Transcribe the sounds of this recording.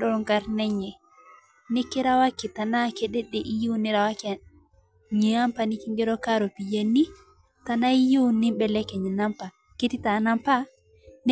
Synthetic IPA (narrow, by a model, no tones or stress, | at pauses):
ɗɔŋɡaɾnɛɲɛ | nikːiɾawakːitanakɛɗɛɗɛʔijiwuniɾawaki | ɲiampanikiŋɡɛɾɔkaɾopijenːi | tanaijiwunːimbɛlɛkːɛɲinampa | ketitanampa | n